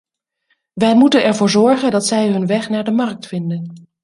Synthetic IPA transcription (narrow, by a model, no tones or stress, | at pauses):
ʋɛjmutənɛɹvʊːɹzɔɹχəndɑtsɛjɦɵnʋɛχnaːɹdəmɑrk̚tfɪndən